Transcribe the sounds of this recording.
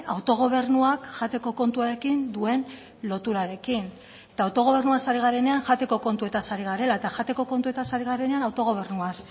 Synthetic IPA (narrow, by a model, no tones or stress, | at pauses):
awt̪o̞ɣ̞o̞β̞e̞ɾnuakʝat̪e̞ko̞ko̞nt̪uaɾe̞kind̪ue̞n | lo̞t̪uɾaɾe̞kin | e̞t̪aːwt̪o̞ɣ̞o̞β̞e̞ɾnuasaɾiɣ̞aɾe̞ne̞aŋʝat̪e̞ko̞ko̞nt̪ue̞t̪asaɾiɣ̞aɾe̞laet̪aʝat̪e̞ko̞ko̞nt̪ue̞t̪asaɾiɣ̞aɾe̞ne̞anawt̪o̞ɣ̞o̞β̞e̞rnuas